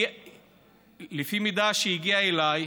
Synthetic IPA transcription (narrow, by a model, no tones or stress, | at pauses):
lefimid̪aʃejiɡiaelaj